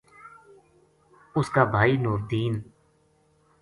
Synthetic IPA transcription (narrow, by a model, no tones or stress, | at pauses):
ʊskaːbʱaːiːnuːɾd̪iːn